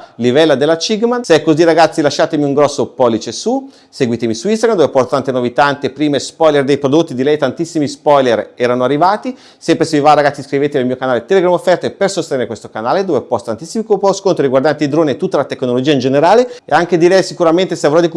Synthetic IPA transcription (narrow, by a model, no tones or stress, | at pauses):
livɛlːad̪elːat͡ʃiɡmanseɛkːoziraɡat̪sːilaʃːaːt̪emiuŋɡɾɔsːopɔlːit͡ʃesu | seɡwiːt̪emisuist̪aɡɾamd̪ovepɔrt̪ot̪ant̪enovit̪ant̪epɾiːmespɔjlerd̪ejpɾod̪ot̪ːid̪ilɛjt̪ant̪isːimispɔjlerɛːɾanoarːivaːt̪i | sɛmpɾesevivaɾaɡat̪sːiskɾivet̪eelmiokanaːlet̪ɛleɡɾamofːɛrt̪epersost̪eneɾekwest̪okanaːled̪oːvepɔst̪ant̪isːimikpɔskont̪ɾoɾiɡwaɾrd̪ant̪eid̪ɾoːniet̪ut̪ːalat̪eknolod͡ʒiːaind͡ʒeneɾaːleḛaŋk̟ed̪ilɛjsikuɾament̪eseavɾɔd̪ik